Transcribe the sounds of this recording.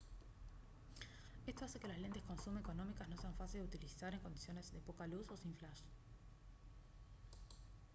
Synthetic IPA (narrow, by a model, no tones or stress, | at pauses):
e̞st̪o̞aseke̞lazle̞nt̪e̞sko̞nsumeeko̞nõ̞mikasnoseaɱfasild̪eut̪ilisaɾe̞ŋko̞nd̪isjo̞ne̞zðe̞po̞kaluso̞sĩɱflaʃ